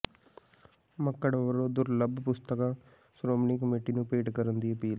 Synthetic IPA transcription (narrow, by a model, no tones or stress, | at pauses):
məkːəɽʋəɾõːd̪ʊɾləbpʊst̪əkãː | sɾoːmniːkəmeːʈiːnũːpeːʈkəɾənd̪iːəpiːl